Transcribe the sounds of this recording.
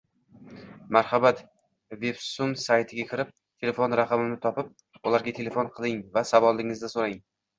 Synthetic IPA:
maɾhabat̪ | ve̞bsumsajt̪ʰɪɡʲakʲʰɪɾɪp̚ | t̪ʰe̞le̞fo̞nɾaqʰɑmɪnɪt̪ʰɒpɪp̚ | ʊlaɾɡʲat̪ʰe̞le̞fonqʰɨlˠɪŋvasavɒlˠd̪ɪŋɪzd̪asoɾaŋ

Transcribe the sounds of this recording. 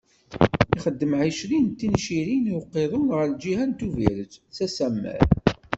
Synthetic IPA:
iχəd̪ːəmʕiʃɾint̪ːinʃiɾiniwqːeðˤʊnʁəɾd͡ʒihænt̪uvḭɾət͡sːsæsæmːæ̰ɾ

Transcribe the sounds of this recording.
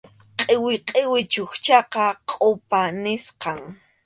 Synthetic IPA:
qʼɪwɪqʼɪwɪt͡ʃʊxt͡ʃɑqɑqʼʊpanɪsqɑŋ

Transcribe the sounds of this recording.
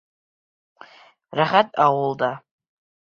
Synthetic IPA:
raχʲatʼawʊlda

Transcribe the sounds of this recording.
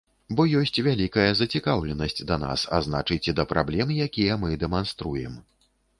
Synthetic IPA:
bɔjɔsʲt͡sʲvʲalʲikɐjɐzɐt͡sʲikawlʲɛnɐsʲt͡sʲd̪ɐna̰sa̰zna̰t͡ʂɨjt͡sʲɛd̪ɐpɾablʲɛmjakʲijɐmɨd̪ɛmanst̪ɾujɛ̰m

